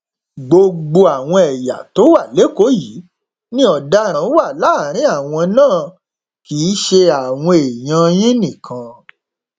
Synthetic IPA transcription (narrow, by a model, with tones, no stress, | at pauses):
ɡ͡bo˧ɡ͡bo˧a˨w̃ɔ̃˧ɛ˨ja̰˨to˨˦wa˦˨le˨˦ko˨˦ji˨˦ | nĩ˦ɔ˨da˦ɾ̃ã˨˦wa˦˨la˦˨ɾ̃ĩ˨˦a˦˨w̃ɔ̃˧nãː˦˨ | kiː˨˦ʃe˧a˨w̃ɔ̃˧e˨j̃ã˧j̃ĩ˦nĩ˦˨kʰã˧